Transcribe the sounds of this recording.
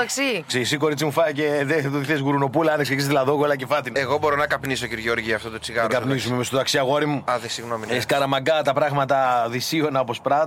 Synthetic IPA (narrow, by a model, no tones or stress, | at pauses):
ɐksiksesiko̞ɾit͡simufɐceðet̪oðiθesɣuɾuno̞pulɐɐneksekiszðilɐðoɣolɐcefɐt̪inɐeɣo̞boɾonɐkɐpnis̬ociɾʝeoɾʝiɐft̪ot̪ot͡siɣɐɾɡɐpnisumemest̪oðɐksiɐɣoɾimuɐðesiɣnomineskɐɾɐmɐɡɐt̪ɐpɾɐɣmɐt̪ɐðisionɐopospɾɐt̪